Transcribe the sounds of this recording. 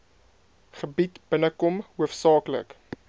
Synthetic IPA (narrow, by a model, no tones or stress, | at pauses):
χəbitb̥ənəkɔmhuəfsɑːklə̰k